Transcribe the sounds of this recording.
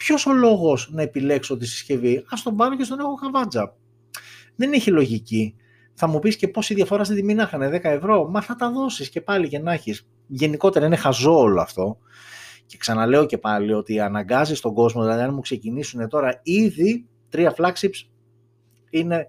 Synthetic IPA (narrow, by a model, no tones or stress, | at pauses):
pço̞so̞lo̞ɣo̞znɐe̞pile̞ksoot̪̬isi̥sce̞viɐst̪o̞bɐɾoce̞st̪o̞nexoxɐvɐd͡zɐ | ðeneçilo̞ʝici | θɐmupisce̞po̞siðʝɐfoɾɐːst̪it̪iminɐxɐne̞ðe̞kɐe̞vɾo̞mɐθɐt̪ɐðo̞sisce̞pɐlice̞nɐçis | ʝe̞niko̞t̪e̞ɾɐinexɐzo̞ːloɐ̰ft̪o̞ | ce̞ksɐnɐle̞o̞ce̞pɐlio̞t̪iɐnɐŋɡɐzist̪o̞ɡo̞zmoðilɐðiɐnɐmukse̞cinisune̞t̪o̞ɾɐiði | t̪ɾiɐflɐksips | ine̞